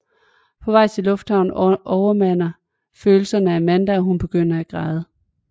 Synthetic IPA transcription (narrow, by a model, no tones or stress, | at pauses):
pʰɒ̽ʋɑ̈ɪ̰t͡sʰe̝lɔ̽fd̥hɑ̈ʊ̰n̩ʔɒʊɐmæn̰ɐ | føːl̩sɐnəæɐmænd̥æɒɦunb̥e̝ɡ̥øn̰ɐæɡ̥ʁɑ̈ðˠə